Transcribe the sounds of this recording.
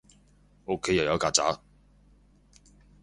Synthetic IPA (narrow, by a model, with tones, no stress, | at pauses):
o˧kʰːe˨˥jɐ˨wjɐ˨˥wkaː˧˩t͡sa̰ː˨˥